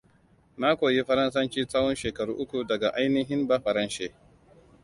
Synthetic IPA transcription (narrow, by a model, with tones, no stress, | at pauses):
maː˦kʷoː˨ji˦ɸɐ˦ɾɐ˦nsɐ˦nt͡ʃiː˦saː˦wɔ˦nʃeː˨kɐ˨ɽuː˦ʔʊ˦kʷu˨dɐ˨ɡa˨ʔa˦jnɪ˦ɦɪ˦mbaː˦ɸɐ˨ɾɐ˦nʃeː˦